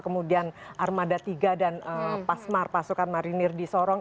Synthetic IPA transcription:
kəmudianʔarmadat̪iɡadanəpasmarpasukanmaɾinɪrdisɔɾɔŋ

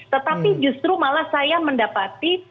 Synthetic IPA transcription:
t̪ət̪apid͡ʒust̪ɾumalahsajaməndapat̪i

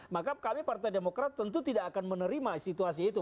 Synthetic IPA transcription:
makakamipart̪ajdemokɾat̪ːənt̪ut̪idaʔːkanmənəɾimasit̪uas̬iːt̪u

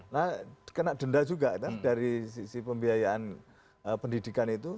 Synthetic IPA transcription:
nahkənaʔd̥əndad͡ʒuɡaʔt̪ad̥aɾisisipəmbiajaʔan | əpəndidikanit̪u

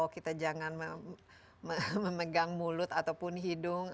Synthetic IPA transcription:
wkit̪ad͡ʒaŋanmə | məməməɡaŋmulʊt̪at̪awpʊnɦidʊŋ

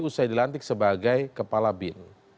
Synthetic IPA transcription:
usajdilant̪ɪk̚səbaɡajkəpalabɪn

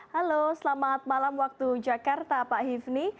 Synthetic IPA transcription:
halosəlamat̪̚malamwak̚t̪ud͡ʒakart̪apaʔɦifni

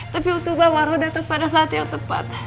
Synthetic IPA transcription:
t̪apiut̪ubawaɾodat̪ak̚padas̬aːt̪jaŋt̪əpa̰t̪̚

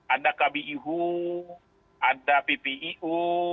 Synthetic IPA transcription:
adakabiʔiɦu | adapepeʔiʔu

